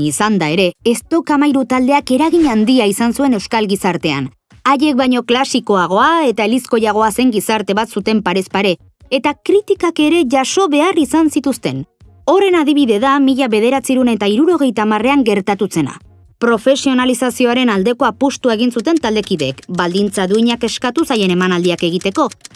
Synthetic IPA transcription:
isand̪ae̞ɾe̞ːst̪o̞kamajɾut̪ald̪e̞ake̞ɾaɣiɲand̪iaisansue̞ne̞wskalɣisaɾt̪e̞a̰n | aje̞k̚bajɲo̞klasiko̞aɣ̞o̞ae̞t̪aelisko̞jaɣ̞o̞ase̞ŋɡisaɾt̪e̞βat̪sut̪e̞mpaɾe̞spaɾe̞ː | t̪akɾit̪ikake̞ɾe̞ʝaso̞βe̞arisansit̪ust̪e̞n | o̞re̞naðiβ̞iðe̞ðamiʎaβe̞ð̞e̞ɾat͡siɾunet̪aiɾuɾo̞ɣ̞e̞jt̪aːmare̞aŋɡe̞ɾt̪at̪use̞na̰ | pɾo̞fe̞sio̞nalisasio̞aɾe̞nald̪e̞ko̞apust̪uaeɣ̞insut̪e̞nt̪ald̪e̞kiðe̞kbald̪int͡saðuiɲake̞skat̪usaje̞ne̞manald̪iake̞ɣ̞it̪e̞ko̞

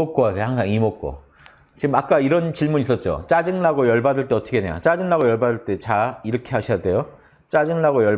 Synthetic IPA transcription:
ok͈oaɡehaŋsʰaŋimok͈̚o̰ | t͡ɕiɡɯmak͈aiɾʌnt͡ɕiɭmunis͈ʌt̚t͡ɕ͈o̰t͡ɕ͈ad͡ʑɯŋnaɡojʌɭbadɯɭt͈e̞ʌt͈ʰʌkʰeneɲa̰t͡ɕ͈ad͡ʑɯŋnaɡojʌɭbadɯɭt͈e̞t͡ɕaiɾʌkʰe̞ɦaɕʰijade̞jo | t͡ɕ͈ad͡ʑɯŋnaɡojʌ

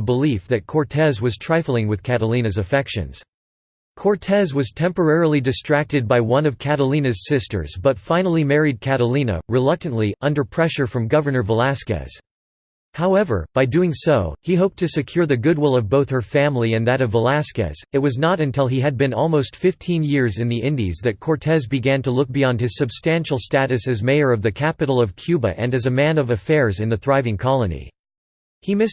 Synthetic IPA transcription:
bəlifðɨt̚kʰɔɹtʰɛzwʌz̥tʰɹ̥aɪfl̩ˠɪ̃ŋwɨð̥kʰæɾəlĩnɨzɨfɛkʃɨ̰̃nz̥ | kʰɔɹtʰɛzwʌz̥tʰɛ̃mpə˞ɛɹl̩ˠidɨstɹ̥æk̚tɨd̚baɪwʌ̃nʌv̥kʰæɾəlĩnɨz̥sɪstə̰˞zbʌtfãɪ̃nl̩ˠimɛɹid̚kʰæɾəlĩnə̰ɹɨlʌk̚tɨ̃nʔliʔʌ̃ndə˞pʰɹ̥ɛʃə˞fɹʌ̃mɡʌvə˞nə˞vəlæskɨ̰z̥ | haʊɛvə̰˞b̥aɪdʉɪ̃ŋsoʊhiɦoʊp̚tʰɨsɨkʰj̥ʊɹðɨɡʊd̚wɪlˠʌvboʊθhə˞fæ̃mliɨ̃nðɨɾʌvːəlæskɨ̰z̥ɨt̚wʌznəɾɨ̃ntʰɪlˠiɨd̚bɨ̃nɔlˠmoʊstfɪftʰĩnjɪɹzɨ̃nðiʔɪ̃ndḭzðɨt̚kʰɔɹtʰɛzbɨɡæ̃ntəlʊk̚b̥iɑ̃nd̚ɨz̥sɨb̥stæ̃nʃl̩ˠstæɾɨsɨzmeɪə˞ʌvðɨkʰæpɨɾl̩ˠʌv̥kʰj̥ʉbɨ̰ʔɨ̃nɨzɨmæ̃nʌvɨfɛɹzɨ̃nðɨθɹaɪvɪ̃ŋkʰɑlˠənḭ | himɪs

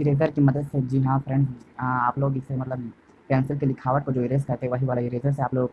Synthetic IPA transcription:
ɪɾeːzəɾkimɐd̪əd̪sed͡ʒiɦãpʰɾɛ̃ɳɖsaːploːɡɪsemɐt̪ləb | pɛ̃ːnsɪlkelɪkʰaːʋəʈ̚kod͡ʒoːɪɾesʈkɐɾt̪eɛʋɐɦiʋaːlaɪɾeːzəɾseaːploːɡ

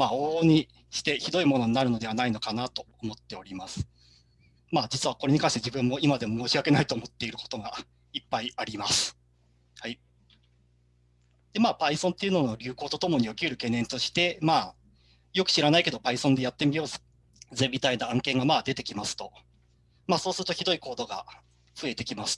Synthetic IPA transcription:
maːoːɲ̟i | ɕi̥t̪e̞çid̪o̞imo̞no̞ɲ̟inaɾɯ̟no̞d̪e̞βanaino̞kanat̪o̞ːmo̞t̪ːe̞o̞ɾʲimasɨ̥ | maːd͡ʑit͡sɨβakoɾe̞ɲ̟ikãɕit̪d͡ʑibɯ̟̃mːo̞imad̪e̞mo̞moːɕiβake̞nait̪oːmo̞t̪ːe̞iɾɯ̟ko̥t̪o̞ɡa | ipːaiaɾʲimasɨ̥ | hai | d̪̥e̞maːpaisõ̞nt̪e̞iɯ̟no̞no̞ɾʲɨ̟ːko̞ːt̪o̞t̪o̞mo̞ɲ̟io̞kʲiɯɾɯ̟ke̞ːnːẽ̞nt̪o̞ɕi̥t̪e̞maː | jo̞kɯ̟ɕiɾanaike̞d̪o̞paisond̪e̞jat̪ːe̞mʲijo̞ːs | ze̞mʲit̪ainaãŋkẽ̞ŋɡamaːd̪e̞t̪e̞kʲimasɨ̥t̪o̞ | maːso̞ːsɨɾɯ̟t̪o̞çid̪o̞iko̞ːd̪o̞ɡa̰ | ɸɯ̟e̞t̪e̞kʲimasɨ̥

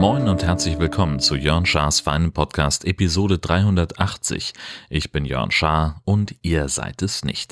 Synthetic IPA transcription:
mɔʏnʊnthɛɐt͡slɪçv̥ɪlkʰɔmənt͡sujœɐnʃaːsfaɪnənpʰɔtkʰa̰ːstʔepizoːɾədʁaɪhʊndɐtʔaχt͡sɪ̰çʔɪçb̥ɪnjœ̰ɐnʃaɐʔʊntʔiːɐza̰ɪtɛsnɪ̰çt

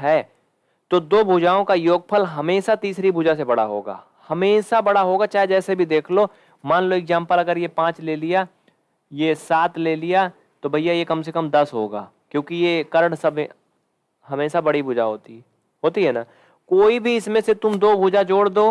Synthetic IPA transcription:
ɦɛː | t̪oːd̪oːbʱʊd͡ʒaːõkajoːɡ̚pʰəlɦɐmeːʃat̪iːsɾibʱʊd͡ʒasebɐɽaɦo̰ːɡa̰ː | hɐmeːʃabɐɽaɦoːɡat͡ʃaːɦed͡ʒɛːsebʱid̪eːkʰlo | mãːnloɪɡzãːmpəlɐɡəɾjepãːt͡ʃleːlija | jesaːt̪leːlɪja | t̪obʱɐɪjajekɐms̬ekəmd̪ɐsɦoːɡa̰ː | kjõːkijekɐɾəɽsɐb | ɦɐmeːʃabɐɽibʊd͡ʒaɦo̰ːt̪i | ɦoːt̪iɦɛːna | koːibʱiɪsmẽset̪ʊmd̪oːbʱʊd͡ʒad͡ʒoːɽd̪oː

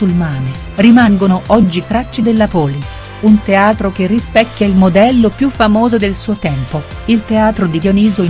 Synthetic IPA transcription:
ulmaːne | rimaŋɡonoʔɔd͡ʒːikɾat͡ʃːid̪elːapɔːlis | unt̪eaːt̪ɾok̟erːispɛkːjailmod̪ɛlːopjufːamoːzod̪elsuːot̪ɛmpoilt̪eaːt̪ɾod̪iljoniːzoi

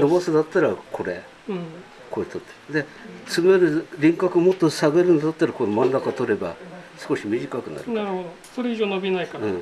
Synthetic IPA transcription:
no̞bosɨd̪at̪ːaɾakʰo̞ɾe̞ | ko̞et̪ʰot̪ːed̪e̞t͡sɨɡeɾɯ̟ɾʲĩŋkakɯ̟mo̞t̪ːosaɡeɾɯnod̪at̪ːaɾako̞nomãnːakat̪o̞ɾe̞ba̰sɨ̥ko̞ɕimʲiʑikakɯ̟na̰ɾɯ̟naɾɯhod̪o | soɾeiʑoːno̞bʲinaikaɯ̃ː

